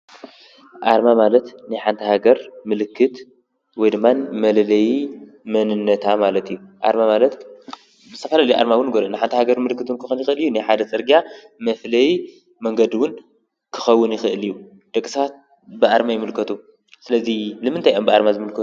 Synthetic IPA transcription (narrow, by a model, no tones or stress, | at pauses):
ʔaɾmamalɐt̪nɨjħant̪ʰɐhaɡɐɾmɨlɨkʰːɨt̪ | wɔjd̪ɨmːanmɐlɐlɐji | mɐnɨnːɐt̪ʰamalɐt̪ʰijːuʔa̰ɾmamalɐt̪ | bɨzɨt̪ʰɐfɐlalɐjiʔa̰ɾmawʊnɡoɾnɨħant̪ʰɐhaɡɐɾmɨlɨkːɨt̪wʊnkʰɨxunjɪxɨɨlijunajħad̪ɐt͡sʼɨɾɡijamɐflɐji | mɐŋɡɐd̪iwʊn | kʰɨ̥xɐwːʊnjɪxɨʔɨliju | d̪̥ɐkʼːisɐβat̪̚ | bɨʔaɾmajɪmɨlkʰɐt̪ʰu | sɨlɐzilɨmɨnt̪ajʔombɨaɾmazɨmɨlkʰɐt̪u